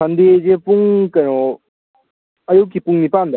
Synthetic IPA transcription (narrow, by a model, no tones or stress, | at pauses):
and̪ed͡ʒepuŋkɐnɔ | ɐjokːipuŋnipand̪ɔ